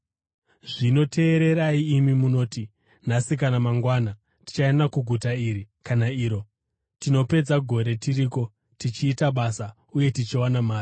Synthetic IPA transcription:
ʐino̞tʰe̞ːɾe̞ɾaiːmimuno̞ːti | nasikanamaŋɡwaːna | ti̥t͡ʃaenakuɡʱutaiːɾikanaiːɾo̞ | tino̞pe̞d͡zaɡʱo̞ɾe̞tiɾiːko̞ | tit͡ʃiːtaɓasa | uje̞tit͡ʃiwanamaːri

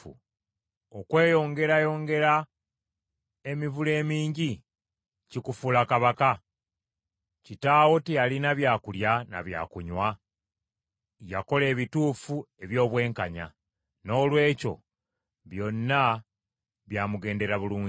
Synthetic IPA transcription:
ṵ | okwe̞ːjo̞ŋɡe̞ɾajo̞ːŋɡe̞ɾa | e̞mivule̞ːmiːɲɟi | cikufulakaβaka | citawo̞tijalinaβjaːkuljana̰βja̰ːkuɲwa | jako̞le̞ːβituːfue̞βjo̞ːβwe̞ːŋkaɲa̰ | no̞ːlwe̞ːco̞̰ | βjo̞nːa | βjaːmuɡe̞ːnde̞ɾaβuluː

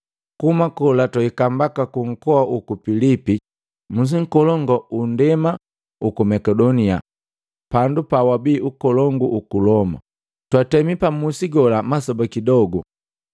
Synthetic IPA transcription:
kumakɔlatwaikambakakuŋ̩kɔaʔukupilipi | mus̬iŋ̩kɔlɔŋɡɔundɛma | ukumɛkɛdɔnia̰ | pandupawabiːʔukɔlɔŋɡuʔukulɔma̰ | twatɛmipamusiɡɔlamasɔbakidɔɡu

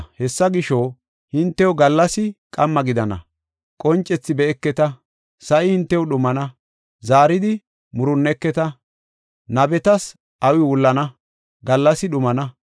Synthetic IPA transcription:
hɛsːɐɡɪʃo | hɪnt̪ːɛwʊɡɐlːɐsɪkʼɐmːɐɡɪd̪ɐnɐ̰ | kʼɔnt͡ʃʼːɛt͡sːɪbɛɛkːɛt̪ɐ | sɐʔɪhɪnt̪ːɛwʊɗʊmɐnɐ | zaːɾɪd̪ɪ | mʊɾʊnːɛkːɛt̪ɐ | nɐbɛt̪ɐs | ʔɐwɪwʊlːɐnɐ | ɡɐlːɐsɪɗʊmɐnɐ

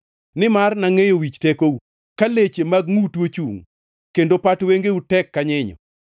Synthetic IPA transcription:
nɪmarnaŋejowit͡ʃtekou | kalet͡ʃemaɡŋutwot͡ʃuŋ | kendopatweŋɡeutɛkːaɲɪɲɔ̰

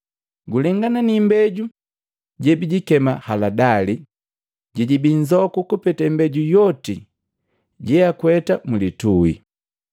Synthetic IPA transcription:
ɡulɛŋɡananimbɛɟu | ɟɛbiɟikɛmahaladali | ɟiɟibiɲd͡ʒɔkukupɛtɛmbɛɟujɔti | ɟɛakwɛtamulituḭ

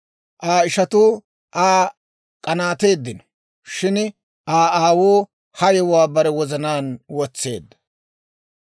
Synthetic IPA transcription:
ʔaːɪʃɐt̪uː | ʔaː | kʼɐnaːt̪e̞ːd̪ːɪnɔ̥ | ʃɪn | aːaːwoː | hɐjɛwaːbɐɾɛwɔzɐnaːnwɔt͡sːe̞̰ːd̪ːɐ̥

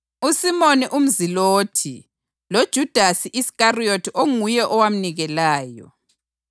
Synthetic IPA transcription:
usimoniʔum̩ziloːtʰi | lod̥ʒ̥ʱud̥ʱasiʔiskariotʰiʔoŋujɛʔɔwam̩niɣɛlaːjɔ̰

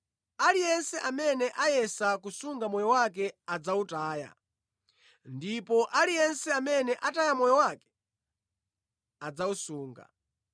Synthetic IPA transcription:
alijɛnsɛʔamɛnɛʔajɛsakusuŋɡamɔjɔwak̬ɛad͡zautaːja̰ | ndipɔʔalijɛnsɛamɛnɛʔatajamɔjɔwakɛ̥ | ad͡zausuːŋɡa̰

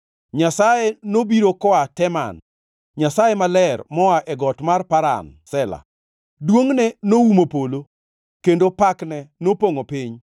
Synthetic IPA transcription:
ɲasajenobiɾokɔatɛma̰n | ɲasajemalɛrmɔaʔɛɡɔtmarpaɾa̰nsɛla̰ | dwoŋnɛnoumopolo | kendopaknɛnopoŋopɪɲ

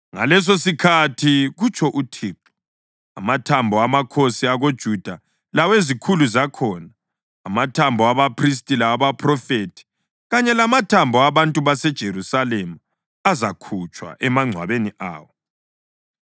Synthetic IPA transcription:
ŋa̰lɛs̬osikʰatʰiɣut͡ʃʰɔʔutʰiːǁu̥ | a̰matʰambʱɔamakʰosiaɣod̥ʒ̥ʱud̥ʱa | lawezikʰuluzakʰɔːnaː | matʰambʱɔaβapʰris̬tʼilaβapʰʼrɔfetʰi̥ | ɣaɲɛlamatʰambʱɔaβantʼuβasɛd̥ʒ̥ʱeɾusalemu | azakʰut͡ʃʼwa̰ʔɛmaŋ͡ǀʱwa̰βeniʔa̰ːwɔ

